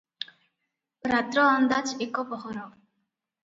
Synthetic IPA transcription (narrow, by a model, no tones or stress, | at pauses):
ɾat̪ɾɔand̪at͡ʃʰekɔpɔɦɔɾɔ